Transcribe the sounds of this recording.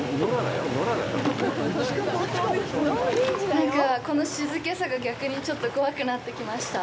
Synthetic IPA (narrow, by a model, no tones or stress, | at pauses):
a̰j̰̪oaa̰ | niãŋkako̞no̞ɕizɨke̞saɡaɡʲakɯ̟ɲ̟it͡ɕo̞t̪ːo̞ko̞βakɯ̟nat̪ːe̞kʲimaɕi̥t̪a